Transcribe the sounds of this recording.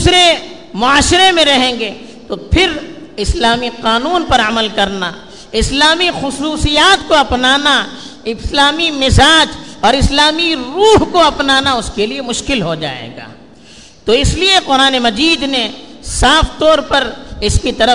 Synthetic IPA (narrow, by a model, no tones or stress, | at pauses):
d̪uːsɾe | mʊaːʃɪɾemẽɾɐɦẽːŋɡeː | t̪opʰɪɾ | ɪslaːmiqaːnuːnpɐɾɐməlkɐɾna | ɪslaːmixʊsuːsijaːt̪̚koɐpnaːna | ɪslaːmimɪzaːd͡ʒɔːɾɪslaːmiɾuːɦkoɐpnaːnaʊskeliemʊʃkɪlɦod͡ʒa̰ːḛːɡa̰ː | t̪oɪslieqʊɾaːnemɐd͡ʒiːd̪nesaːft̪ɔːɾpɐɾɪskit̪ɐɾə